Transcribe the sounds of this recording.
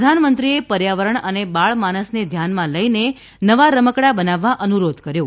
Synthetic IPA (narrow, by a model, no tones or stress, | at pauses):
d̪ʱanmənt̪ɾiepəɾjaʋəɾəɳənebaɭmañəsned̪ʱjanmãləine | nəʋaɾəməkɽabənaʋːaʔənuɾod̪ʱkəɾjo